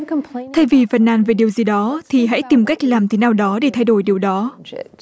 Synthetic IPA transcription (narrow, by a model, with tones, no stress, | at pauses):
kʰt̪ʰa˧jvi˨˩fa˨˩nːaː˧˩nve˨˩ɗi˨˩əwzi˨˩ɗɔ˨˦t̪ʰi˨˩ɦa̰˧˥jt̪i˨˩mka˦˥jk̟̚laː˨˩mt̪ʰe˨˦naː˨˩wɗɔ˨˦ɗe˧˩t̪ʰa˧jɗo˧˩jɗi˨˩əwɗɔ˨˦